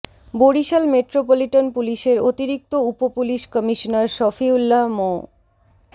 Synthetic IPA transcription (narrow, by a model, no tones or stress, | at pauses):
boɽiʃalmeʈɾopoliʈanpuliʃeɾot̪iɾik̚t̪oupopuliʃkɔmiʃonaɾʃɔfiulːamo